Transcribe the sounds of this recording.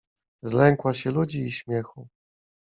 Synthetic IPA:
zlɛŋkwaɕɛlud͡ʑiːɕmʲjɛxu

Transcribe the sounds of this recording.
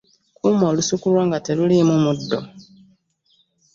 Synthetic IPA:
kumoːlusukulwaŋɡatelulimumudːo̰

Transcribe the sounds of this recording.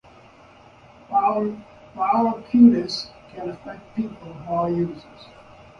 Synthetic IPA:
waʊləkʰʉɾɪskʰɨ̃nəfɛk̚t̚piˑpəl̩ˠmɔjʉzə˞z̥

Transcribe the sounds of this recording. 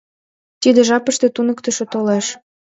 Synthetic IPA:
t̪id̪ĕʒɑpəʃt̪ĕt̪unəkt̪ə̆ʃĕt̪oleʃ

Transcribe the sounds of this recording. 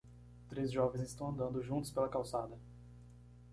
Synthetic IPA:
t̪ɾezʒɔvẽzɪst̪ɐ̃w̃ɐ̃nd̪ɐ̃nd̪ʊʒũnt̪ʊspelɐkawsad̪ɐ

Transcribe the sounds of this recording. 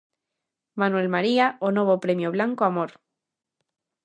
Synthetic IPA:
manwe̞lmaɾiaonoβ̞opɾemjoβ̞laŋkoamoɾ

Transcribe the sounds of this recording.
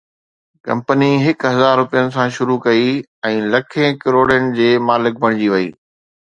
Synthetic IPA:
kɐ̰̃mpəniɦɪkɦɐzaːɾːʊpijənɪ̆sãʃʊɾukɐi | ɛ̃ːlɐkʰẽkɪɾoːɽjənɪ̆d͡ʑeːmaːlɪk̚bʱɐɽ̃ɪd͡ʑiʋɐḭː

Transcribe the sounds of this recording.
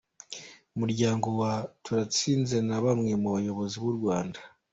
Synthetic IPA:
umuɾɟaːŋɡo̞watʰuɾat͡siːnze̞naβamŋe̞muβajo̞βo̞ziβuɾɡwaːnda

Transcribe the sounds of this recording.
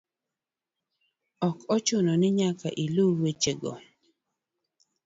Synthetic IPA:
ɔkɔt͡ʃʊnɔnɪɲaka̰ʔiluwet͡ʃeɡɔ̰

